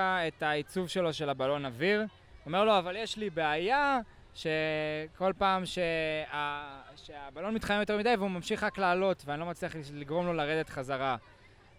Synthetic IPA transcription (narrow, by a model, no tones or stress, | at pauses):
ae̞tait͡suvʃe̞lo̞ʃe̞labalo̞naviʁ | ome̞ʁlo̞avaljeʃlibeaja | ʃe̞ko̞lpaːmʃeaʃeabalo̞nmit̪χajemjote̞ʁmid̪ajveumamʃiχaklaːlo̞t̪veanilo̞mat͡sliaχliɡʁo̞mlo̞laʁed̪et̪χazaʁa